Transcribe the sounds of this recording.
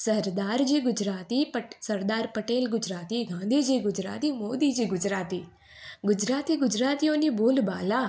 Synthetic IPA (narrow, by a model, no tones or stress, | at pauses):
sɐɾd̪aːɾd͡ʒiːɡʊd͡ʒɾaːt̪ipəsɐɾd̪aːɾpəʈeːlɡʊd͡ʒɾaːt̪iɡãːnd̪ʱiːd͡ʒiːɡʊd͡ʒɾa̰ːt̪imoːd̪id͡ʒiːɡʊd͡ʒɾaːt̪iː | ɡʊd͡ʒɾaːt̪iɡʊd͡ʒɾaːt̪ijõniboːlbaːla